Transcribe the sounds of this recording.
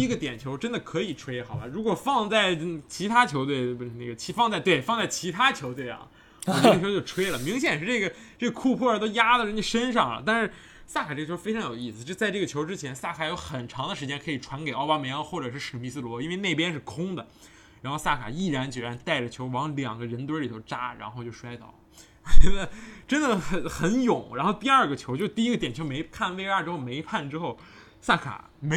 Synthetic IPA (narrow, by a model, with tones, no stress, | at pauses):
i˥ɡə˧t̪jɛ˨˩nt͡ɕʰjo˧˥ʊʈ͡ʂə˥nd̪ə˨kʰɤ˧˥i˨˩ʈ͡ʂʰwe˥ɪxɑ˨˩ʊba˧ɻu˧˥kwɔ˨˩fɑ˥˧ŋt͡sa˥˩ɪt͡ɕʰi˧˥t̪ʰa˥t͡ɕʰjo˧˥ʊt̪we˥˩ɪne˥˩ɡə˩t͡ɕʰi˧˥fɑ˥˧ŋt͡sa˥˧ɪt̪we˥˩ɪfɑ˥˧ŋt͡sa˥˩ɪt͡ɕʰi˧˥t̪ʰa˥t͡ɕʰjo˧˥we˥˩˧ɑ̰˨˩ŋ | ɔ˧˩˥jʊt͡ɕo˥˩ʊʈ͡ʂʰwe˥ɪlə˩mi˧˥ŋɕ̬jɛ˨˩nʂɻ̩˥˧ʈ͡ʂɤ˥˩ɡə˩ | ʈ͡ʂɤ˥˩ɡə˩kʰu˥˧pʰwɔ˥˩ə˞˧˥t̪o˥ʊja˥d̪ə˨˧ʂ̩ə˥ni˥˩ʂə˥nʂɑ˥˩ŋlə̰˩t̪a˥˧nʂɻ̩˥˩ | sa˥˩kʰa˨˩ʈ͡ʂɤ˥˩ə˩t͡ɕʰo˧˥fe˥ɪɑ˧˥ŋjo˨˩ʊi˥˩sɹ̩˩t͡ɕt͡sa˥˧ɪʈ͡ʂɤ˥˩ɡə˩t͡ɕʰjo˧˥ʊʈ͡ʂɻ̩˥t͡ɕʰjɛ˧˥nsa˥˩kʰa˨˩jo˧˥ʊxə˨˩nʈ͡ʂʰɑ˧˥ŋd̪ə˧ʂɻ̩˧˥t͡ɕjɛ˥nkʰɤ˧˥i˨˩ʈ͡ʂʰwa˧˥nke˨˩ɪʔɑ˥ʊa˥me˧˥ɪɑ˧xwɔ˥˩ʈ͡ʂɤ˨˩ʂ̬ɻ̩˥˩ʂɻ̩˨˩mi˧˥˩sɹ̩˥˩lwɔ˧˥i˥nwe˥˧ɪne˥˩ɪpjɛ˥nʂɻ̩˥˩kʰʊ˥ŋd̪ə˨ | ɻa˧˥nxo˥˧sa˥˩kʰa̰˨˩i˥˩ɻa˧˥nt͡ɕy˨˩ɻa˧˥nt̪a˥˩ɪʈ͡ʂə˩t͡ɕʰjo˧˥ʊwɑ˧˥ŋljɑ̰˨˩ŋɡə˦ɻə˧˥nt̪̬wə˧˥li˨˩t̪ʰo˧˥ʊʈ͡ʂa˥ɻa̰˧˥nxo˥˧t͡ɕjo˥˩ʊʂwa˥ɪt̪ɑ˥˩ʊl | wɔ˧˩t͡ɕɛ˧˥d̪ə˧ʈ͡ʂə˥nd̪ə˨xə˧˩xə˧˥njʊ˨˩˦ŋɻa˧˥nxo˥˧ʊt̪i˥˧ɐ˞˥˧ɡə˩t͡ɕʰjo˧˥t͡ɕo˥˧˥t̪i˥˧i˥ɡə˧t̪jɛ˨˩nt͡ɕʰo˧˥ʊme˧˥ɪkʰa˥˧nwe˥˧ɪa˥˧ʈ͡ʂɻ̩˥xo˥˩ʊme˧˥ɪpʰa˥˩nʈ͡ʂɻ̩˥xo˥˩ʊ | sa˥˩kʰa̰˨˩˦ | me˧˥